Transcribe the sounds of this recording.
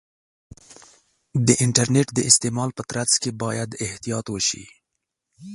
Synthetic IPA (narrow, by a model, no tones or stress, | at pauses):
d̪əʔɪɳʈaɾneʈd̪əɪst̪emɑlpət̪ɾat͡skebɑjad̪ɪht̪ijɑt̪wəʃḭ